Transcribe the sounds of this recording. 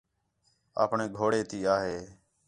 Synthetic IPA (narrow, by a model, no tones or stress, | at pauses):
a̰ːpɳeːɡʱoːɽeːt̪iːaːɦeː